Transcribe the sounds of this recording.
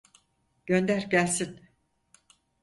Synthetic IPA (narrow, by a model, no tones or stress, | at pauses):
ɟ̥ønd̪æɾɟælʲsin